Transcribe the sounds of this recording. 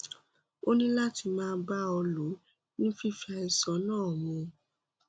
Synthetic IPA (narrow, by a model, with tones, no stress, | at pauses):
o˦nĩ˦la˦ti˧mãː˦˧n˦ba˦ɔ˧lo˨˦ | nĩ˦fi˦fi˦a˧i˨sã˨˦nãː˦˨mɔ̃˧